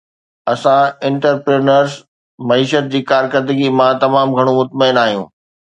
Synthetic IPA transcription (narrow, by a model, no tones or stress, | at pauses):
ɐsãɪ̃ɳʈəɾpɾeːnəɾz | mɐiːʃət̪̚d͡ʑiːkaːɾkəɾd̪əɡimãt̪ɐmaːmɡʱɐɽ̃õmʊt̪maɪnaːɦijṵ̃ː